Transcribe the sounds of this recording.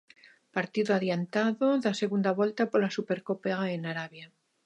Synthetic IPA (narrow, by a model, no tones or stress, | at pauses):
paɾt̪iðoaðjant̪aðoðaseɣund̪aβwelt̪apoɾlasupeɾkopeaenaɾaβja